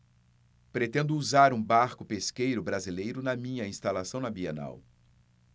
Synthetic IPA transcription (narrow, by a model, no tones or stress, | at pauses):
pɾet̪ẽnd̪ʊːzaɾũbaɾkʊpeskejɾʊbɾazilejɾʊnɐmĩɲɐĩst̪alasɐ̃w̃nɐbiena̰w